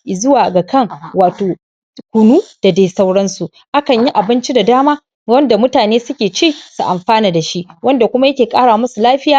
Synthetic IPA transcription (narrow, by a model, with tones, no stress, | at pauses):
zʊ˦waː˨ɡa˨kɐ˦˨ŋwaː˨toː˨ | kʷʊ˨nuː˦d̥a˨da˦jsa˦wɽɐ˦nsu˨ | ʔa˦kɐ˨ɲji˦ʔa˨bɪ˦nt͡ʃi˦da˨daː˦maː˦ | wɐ˦nda˨mʊ˦taː˨neː˦sʊ˦kʲeː˨t͡ʃeː˦˨su˨ʔa˨mɸaː˦naː˨da˨ʃi˦ʔwɐ˦nda˨kʷʊ˦ma˦jɐ˦kʲeː˨kʼaː˦ɽaː˨mʊ˦su˨laː˦ɸɪ˦jaː˦